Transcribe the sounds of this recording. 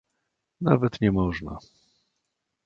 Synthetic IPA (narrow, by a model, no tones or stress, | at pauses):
navɛt̪ɲɛmɔʐna̰